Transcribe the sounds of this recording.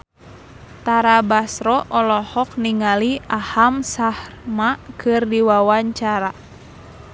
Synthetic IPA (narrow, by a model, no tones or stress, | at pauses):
t̪aɾabasɾɔʔɔlɔhɔk̚niŋaliahamsahrmakʰɨrdiwawaɲt͡ʃaɾa